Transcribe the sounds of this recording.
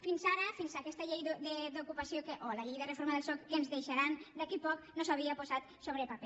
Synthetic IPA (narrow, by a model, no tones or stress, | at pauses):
finzaɾəfinzakɛst̪əʎejðd̪əd̪ukupasiokeʔolaʎejðərefoɾmaðelˠsɔkːenzðejʃaɾand̪akipɔknosaβ̞iapozat̪soβɾəpapɛ